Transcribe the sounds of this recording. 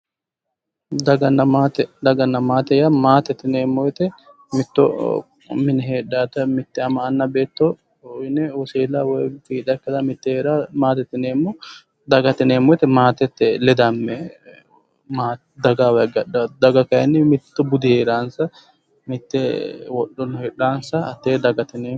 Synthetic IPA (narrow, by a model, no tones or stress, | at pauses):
d̪ɐɡɐnːɐaːt̪ɛd̪ɐɡɐnːɐmaːt̪ɛjamaːt̪ɛt̪ːɪneːmːɔjt̪ɛ | mɪt̪ːɔ̰ | mɪnɛɦeːᶑaːt̪ɐmɪt̪ːɪɛɐmɐːnːɐbe̞ːt̪ːɔ | nɛɔseːlaːwɔjfiːᶑɐkːɐd̪ɐmɪt̪ːɛheːɾaːmaːt̪ɛt̪ːɪneːmːɔ | d̪ɐɡɐt̪ɪneːmːɔjɪt̪ːɛmaːt̪ɛt̪ːɛlɛd̪ɐmːɛ | maːt̪ | d̪ɐɡawɐjɡɐᶑɐd̪ɐɡɐkɐjɐnːɪmɪt̪ːɔbʊd̪ɪheːɾaːnsɐ | mɪt̪ːɛwɔɗːɔnheːᶑaːnsɐɐt̪ːeːd̪ɐɡɐt̪ɪneː